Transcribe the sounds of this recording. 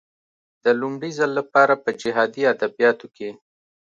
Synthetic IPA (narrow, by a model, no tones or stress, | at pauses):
d̪̥əlʊmɽizəlːapɑɾapəd͡ʒɪɦɑd̪iad̪abijɑt̪oke